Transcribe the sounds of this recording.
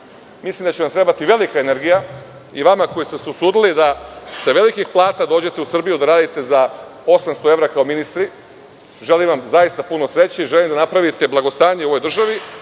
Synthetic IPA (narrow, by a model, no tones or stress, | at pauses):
mislimd̪at͡ɕeʋamt̪ɾe̞bat̪iʋe̞likaene̞ɾɡija | iʋamakojist̪e̞seusuːd̪ilid̪asaʋe̞likixplˠaːt̪ad̪o̞ːd͡ʑe̞t̪eusr̩bijud̪aɾaːd̪it̪e̞zao̞samst̪o̞e̞ʋɾakaominist̪ɾi | ʒe̞limʋamzajist̪apunosɾe̞t͡ɕiiʒe̞limd̪anapɾaʋit̪e̞blˠaɡo̞st̪aːɲeo̞ʋojd̪r̩ʒaʋi